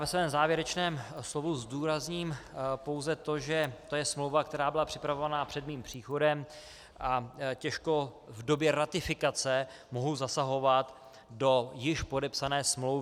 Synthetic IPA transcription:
javɛsvɛːmzaːvjɛɾɛt͡ʃnɛːmslovuzduːɾazɲiːmpo̞wzɛt̪o̞ʒɛt̪o̞jɛsmlowvakt̪ɛɾaːbɪlapr̝̥ɪpɾavo̞vanaːpr̥ɛd̪miːmpr̝̥iːxo̞dɛm | ʔacɛʃko̞ | vdo̞bjɛɾat̪ɪfɪkat͡sɛ | mo̞ɦowzasaɦo̞vat̪ | do̞jɪʃpo̞dɛpsanɛːsmlowv

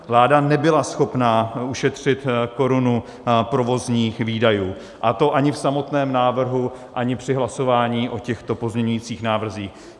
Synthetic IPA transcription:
vlaːdanɛbɪlasxo̞pnaːuʃɛt̪r̝̥ɪt̪ko̞ɾunu | pɾo̞vo̞zɲiːxviːdajuː | ʔat̪o̞ʔaɲɪfsamo̞t̪nɛːmnaːvr̩ɦuʔaɲɪpr̥ɪɦlaso̞vaːɲiːʔo̞cɛxt̪o̞po̞zmɲɛɲujiːt͡siːxnaːvr̩ziːx

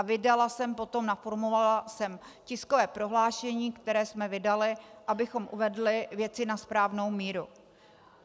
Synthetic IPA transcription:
vɪdalasɛmpo̞t̪o̞mnafoɾmovalasɛm | cɪsko̞vɛːpɾo̞ɦlaːʃɛɲiːkt̪ɛɾɛːsmɛvɪdalɪʔabɪxo̞mʔuvɛdlɪvjɛt͡sɪnaspɾaːvno̞wmiːɾu

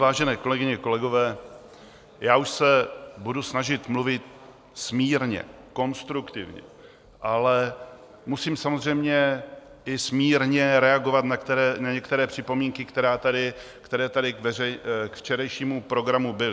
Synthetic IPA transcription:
vaːʒɛnɛːko̞lɛɡɪɲɛko̞lɛɡo̞vɛː | jaːuʃsɛbudusnaʒɪt̪mluvɪt̪ | smiːɾɲɛ̰ | ko̞nst̪ɾukt̪ɪvɲɛ̰ | ʔalɛ | musiːmsamozr̝ɛjmɲɛʔɪsmiːɾɲɛɾɛaɡo̞vat̪naɾnaɲɛkt̪ɛɾɛːpr̥ɪpo̞miːŋkɪkt̪ɛɾaːt̪adɪ | kt̪ɛɾɛːt̪adɪkvɛrɛkft͡ʃɛɾɛjʃiːmupɾo̞ɡɾamubɪlɪ

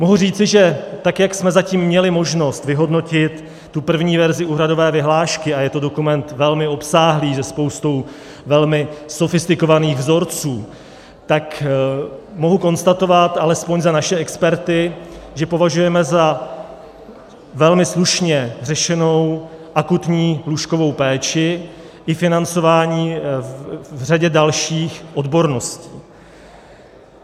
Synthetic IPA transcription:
moɦuriːt͡sɪʒɛt̪akjaksmɛzaciːmːɲɛlɪmo̞ʒno̞st̪vɪɦo̞dno̞cɪt̪ː | upr̩vɲiːvɛɾzɪuːɦɾado̞vɛːvɪɦlaːʃkɪajɛt̪o̞do̞kumɛnt̪vɛlmɪo̞psaːɦliːzɛspo̞wst̪o̞w | vɛlmɪso̞fɪst̪ɪkovaniːɣvzo̞ɾt͡suː | t̪ak | mo̞ɦuko̞nst̪at̪o̞vat̪ʔalɛspo̞ɲzanaʃɛɛkspɛɾt̪ɪʒɛpo̞vaʒujɛmɛza | vɛlmɪsluʃɲɛr̝ɛʃɛno̞wʔakut̪ɲiːɦluʃko̞vo̞wpɛːt͡ʃɪ | ʔɪfɪnant͡so̞vaːɲiː | vr̝aɟɛdalʃiːxʔo̞dbo̞ɾno̞sciː

